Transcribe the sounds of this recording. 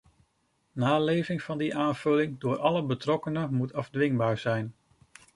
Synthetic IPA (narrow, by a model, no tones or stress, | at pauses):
naːlejvɪŋv̥ɑndiʔaːnv̥ɵlɪŋdʊːɹɑləbətrɔkənəmutɑvdʋɪŋbaːɹz̥ɛjn